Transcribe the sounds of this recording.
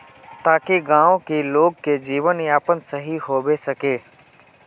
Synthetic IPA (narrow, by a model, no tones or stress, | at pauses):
t̪aːkeɡãːõkiloːɡ̚ked͡ʒiːʋəniaːpənsəɦiɦoːʋesɐkeː